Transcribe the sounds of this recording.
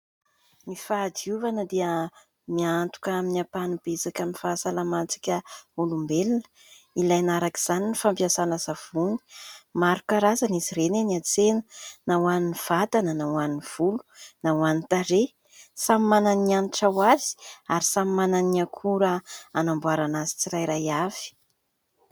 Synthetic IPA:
nifad̪iuvanəd̪eə | miant̪u̥kaminapanib̥esakʲamifasalamant͡si̥kʲəulumbelnə̥ | ilajnaɾaki̥z̥aninifampjasanəzav̥uni̥maɾukaɾazaniziɾeneniat͡senənawaniniv̥at̪anənawaniniv̥ulu̥nawanit̪aɾe | samimananianiʈ͡ʂawazi̥aɾisamimananiakʰuɾəanambuaɾanazi̥t͡siɾajɾajav̥i̥

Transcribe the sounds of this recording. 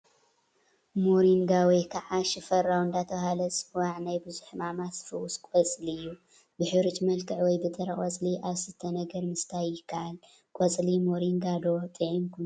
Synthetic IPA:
moɾiŋɡawɔjkʰaʕaʃɪfɐɾawnd̪at̪ʰɐɦalɐsʼwaʕnajbɨzuħmamasfɐwuskʷʼɔt͡sʼliɨjːu | bɨħɨɾɨt͡ʃʼmɐlkʰɨʕwɔjbɨt̪ʼɐɾɐχʼwɐt͡sʼliʔaβsɨt̪ʰːɐnɐɡɐɾmɨst̪ʰajɪkʰːaʔal | kʼɔt͡sʼlimoɾiŋɡad̪o̞t̪ʼɨʕinkʰu

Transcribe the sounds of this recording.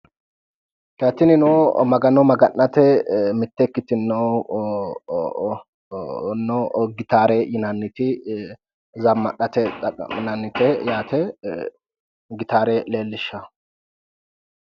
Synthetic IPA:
kaːt̪ːɪnɪnomɐɡɐnɔmɐɡɐnːɐt̪ɛmɪt̪ːɛkːɪt̪ɪnːɔ | nːɔɡɪt̪aːɾɛjɪnɐnːɪt̪ɪ | zɐmːɐʔɐt̪ɛɐ̰nɐnːɪt̪ɛjaːt̪ɛ | ɡɪt̪aːɾɛle̞ːlːɪʃːɐ

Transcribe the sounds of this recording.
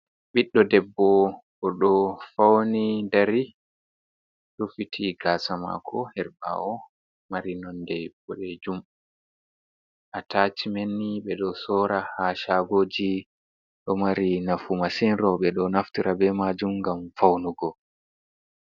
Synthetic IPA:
ɓiɗːɔdɛbːɔkɔɗɔfawnidaɾi | ɗufitʰiɡasama̰kʰɔhɛɾba̰ʔɔ | maɾinɔndɛbɔɗɛd͡ʒum | ʔatat͡ʃimenːiɓɛɗɔsɔɾahaʃaɡoːd͡ʒi | ɗɔmaɾinafumasinɾɔɓɛɗɔnaftiɾʔabɛmad͡ʒumɡamfawnuɡɔ

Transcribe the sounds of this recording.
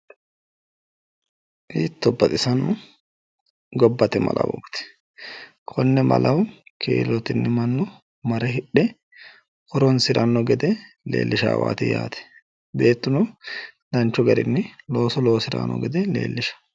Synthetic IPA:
ʔiːt̪ːɔbːɐt̪ʼɪsɐnɔ | ɡɔbːɐt̪ɛmɐ̰lɐ̰wɔ̰ːkt̪ɛ̥ | kʰɔnːɛmɐ̰lɐwkʰḛːlɔt̪ɪnːɪmɐnːɔ | mɐɾɛɦɪɗːɛ | kɔɾɔnsɪɾɐnːɔɡɛd̪ɛ | lḛːlːɪʃa̰ːwa̰ːt̪ɪja̰ːt̪ɛ̥ | be̞ːt̪ːʊnɔd̪ɐnt͡ʃːɔɡɐɾɪnːɪlo̞ːsɔloːsɪɾa̰ːnɔ̰ɡɛd̪ɛle̞̰ːlːɪʃɐ̥

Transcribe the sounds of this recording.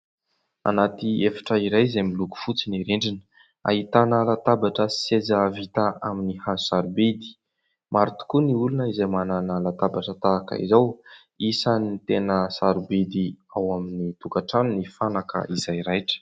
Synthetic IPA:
a̰nat̪iefḁʈ͡ʂəiɾajzemiluku̥fut͡siniɾeɳɖ͡ʐin | a̰ɦit̪analat̪abaʈ͡ʂəsi̥sed͡zəvit̪aaminihazusaɾubed̪i̥ | mʔaɾit̪u̥kuniulunəizajmananalat̪abaʈ͡ʂət̪aːkə̰ḭzaw | isanit̪enəsaɾubid̪iawaminit̪ukaʈ͡ʂanunifanakə̰ʔizajɾajʈ͡ʂə̥

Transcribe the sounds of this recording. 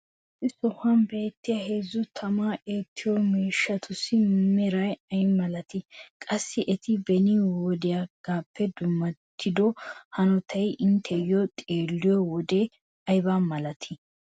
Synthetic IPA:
ɛtɪsɔhɐnbe̞ːt̪ːɪjɐɦezːʊt̪ʰɐmaːʔeːt̪ʰːɪjɔmeːʃːɐt̪ʰʊsɪmɛɾɐjɐjmɐlɐt̪ɪkʼɐsːɪʔɛt̪ʰɪbɛnɪwɔd̪ɪjaɡ̥aːpːɛd̪ʊmːɐt̪ʰːɪd̪ɔhɐnɔt̪ʰɐjʔɪnt̪ʰɛjɔt̪ʼeːlːɪjɔwɔd̪e | ɐjbamɐlɐt̪ʰɪ

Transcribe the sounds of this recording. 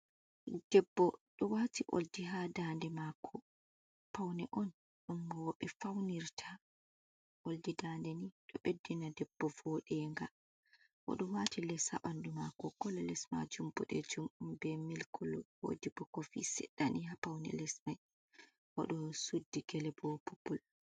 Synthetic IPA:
d̥ɛbːɔɗɔwatiʔo̰ldiɦadandɛmakʰɔ | pawnɛʔɔn | ɗɔnɡɔɓɛfawniɾtʰa | ʔoldidaːndɛniɗɔɓedːinadɛb̥ːɔvɔːɗɛŋɡa | ʔɔ̰ɗɔwatilɛsa̰ʔandumakɔkɔlɛlɛsma̰d͡ʒumbɔɗɛ̰d͡ʒumʔumbɛmilkʰɔlɔwo̰dibɔkɔfḭsɛɗːanihapawnɛ̰lɛsmaj | ʔɔ̰ɗɔsudːiɡ̥ɛlɛbɔpupːul

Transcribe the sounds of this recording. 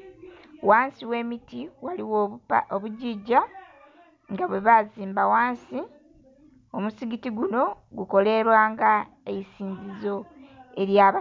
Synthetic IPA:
waːnsiwe̞ːmitiwaliwoβuɟiɟa | ŋɡaβwe̞βaziːmbawaːnsi | omusiɡitiɡuno̞ | ɡuko̞le̞βwaːŋɡa | ejisiːɲzizo̞e̞ɾjaːβa

